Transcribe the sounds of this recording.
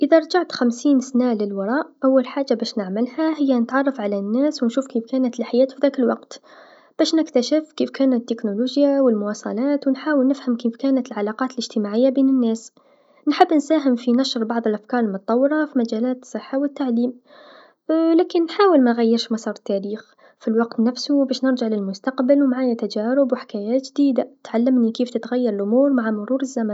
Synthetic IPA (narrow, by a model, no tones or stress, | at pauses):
ʔɪðaɾˤd͡ʒaʕt̪xamsiːnsnalɪlwɑɾˤɑːʔʔawːalħaːd͡ʒːabæːʃnɪʕmɪlhaɦɪjːanət̪ʕɑrˤːɑfʕalanːæːswnʃuːfkiːfkæːnæt̪əlħajæːt̪fiðæːkəlwɑqt̪ | b̥æːʃnɪkt̪aʃɪfkiːfkæːnt̪ːɪknoluːʒjawɪlmʊwɑsˤɑ̰lɑːt̪wnħaːwəlnɪfhamkiːfkæːnət̪əlʕalɑːqɑːt̪əlɪʒt̪ɪmaʕɪjːabiːnənːæːs | nħɪbːnsaːɦɪmfinaʃɾbɑʕðˤɪlʔafkɑːɾˤɪlmʊt̪t̪ˤːɑwːɪɾɑfimad͡ʒæːlaːt̪sˤːɨħːawɪt̪ːaʕliːm | læːkɪnːħaːwɪlmanɣajːɪɾʃmɑsˤɑːɾˤt̪ːaɾiːx | filwɑqt̪nafsubæːʃnɪɾʒaʕlɪlmʊst̪aqbɪlwmʕaːjat̪ad͡ʒaːɾʊbwħɪ̥kaːjaːt̪ʒd̪iːd̪at̪ʕalːɪmnikiːft̪ɪt̪ɣajːɑɾˤɪlʔʊmuːɾmaʕamʊɾuːɾɪzːaman